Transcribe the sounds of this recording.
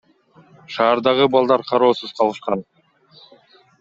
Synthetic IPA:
ʃɑːɾd̪ɑʁɯbɑlˠd̪ɑɾqʰɑɾo̞ːsuz̥qʰɑlˠɯʃqɑn

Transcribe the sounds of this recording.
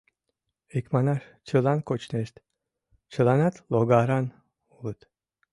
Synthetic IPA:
ekʲmanaʂ | t͡ʃʰɯlˠankot͡ʃnest̪ | t͡ʃʰɯlˠanat̪lˠoɡaɾan | ulˠɯt̪

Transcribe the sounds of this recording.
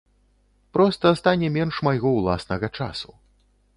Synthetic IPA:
pɾɔst̪ɐst̪anʲɛmʲɛnʂmajɣɔwlˠa̰snɐɣɐt͡ʂasu̥

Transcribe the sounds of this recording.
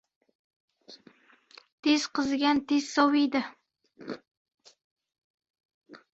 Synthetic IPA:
t̪ʰez̥qʰɨzɡʲant̪ʰez̥sɒwɪjd̪ɪ

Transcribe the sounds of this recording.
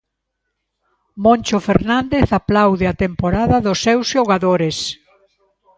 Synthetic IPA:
mõnʲt͡ʃofeɾnand̪eθaplawðɪat̪empoɾaðɐðʊsːɛwsʃoɣaðoɾes

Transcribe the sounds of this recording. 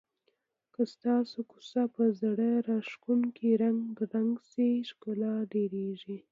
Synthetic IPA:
kəst̪ɑsoku̥sapəzaɽəɾaʃkunkʰeɾaŋɡɡɾaŋɡseʃkolɑɖeɾeʒi

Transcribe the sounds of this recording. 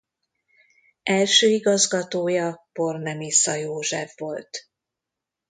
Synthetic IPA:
ɛlʃøːiɡɒzɡɒt̪oːjɒpo̞rnɛmisɒjoːʒɛvːo̞lt̪

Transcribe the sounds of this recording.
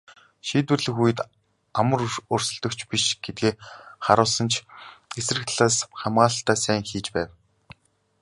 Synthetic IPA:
ʃiːt̪wɘ̆rɮɘ̆xujɘ̆t̪ | amə̆rʊrsə̆ɮt̪ɞ̆kt͡ɕʰpiʃɡ̥et̪̚ɡeːχaɾʊːsə̆nt͡ɕʰesrɘ̆kt̪ʰɮaːsχamɢaːəɬt̪aːsæːŋxiːt͡ɕpæːw

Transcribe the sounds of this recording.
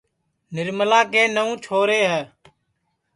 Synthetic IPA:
nɪɾməlaːkẽːnəũːt͡ʃʰoːɾeːɦəː

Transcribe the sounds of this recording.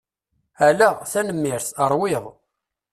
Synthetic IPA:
ælæθænəmːɪɾθəɾˤwɪðˤ

